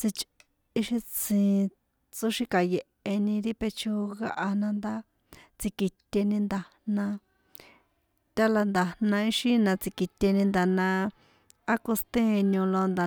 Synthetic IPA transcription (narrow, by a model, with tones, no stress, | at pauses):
t͡si˧t͡ʃ | i˦ʃi˧t͡sĩ˨ | t͡so˦ʃi˧ka˨je˨ʔe˧nĩ˧ɾi˦pe˧t͡ʃo˦ɣa˧ʔa˧nã˧nd̪a˦ | t͡si˧ki˧t̪ʲe˧nĩ˧nd̪a˧ | nã˧ | t̪ʲa˦la˧nd̪a˨nã˧i˦ʃi˦nã˧t͡si˧ki˧t̪ʲe˧nĩ˧nd̪a˨nã˧ | a˦ko˧st̪ẽ˦˧nũ˧lo˧nd̪a˨